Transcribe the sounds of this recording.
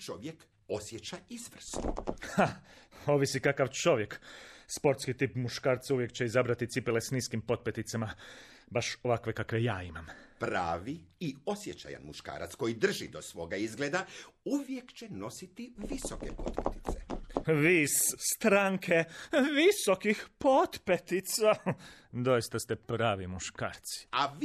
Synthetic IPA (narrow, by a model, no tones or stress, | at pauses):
t͡ʃo̞ʋjek | o̞sjet͡ʃaizʋr̩sno̰xao̞ʋisikakaʋt͡ʃo̞ʋje̞kspo̞ɾt̪skit̪ipmuʃkaːɾt̪sauʋje̞kt͡ɕeizabɾat̪it̪ipilesniːskimpo̞t̪̚pjet̪it̪sema | baʃo̞ʋakʋe̞kakʋe̞jaːimampɾaːʋiːo̞sjet͡ʃa̰ja̰nmuʃka̰ːɾa̰t̪sko̞jid̪r̩ʒḭd̪o̞sʋo̞ɡaizɡleːd̪auʋjekt͡ɕeno̞sit̪iʋisokḛpo̞̰t̪pet̪i̥t̪seʋiːsst̪ɾaŋkʰe̞ʋiso̞kixpo̞t̪pet̪it̪sad̪o̞jist̪ast̪e̞pɾaːʋimuʃka̰ːɾt̪si̥a